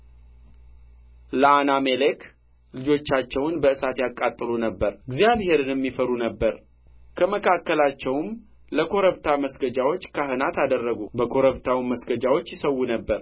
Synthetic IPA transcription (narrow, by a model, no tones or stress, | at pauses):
ləanamelek | lɨd͡ʒo̞t͡ʃːat͡ʃːɛwnbəɨsat̪jakʼːat̪ʼːɨlunəbːəɾɡzijaβhe̞ɾɨnjɛmːifəɾunəbːəɾ | kʰəməkʰakːəlat͡ʃːɛwm | ləkʰo̞ɾəβt̪ʰaməsɡəd͡ʒawo̞t͡ʃːkʰaɦɨnat̪ad̪ərːəɡubəkʰo̞ɾəβt̪ʰawməsɡəd͡ʒawo̞t͡ʃːjɪsəwːunəbːəɾ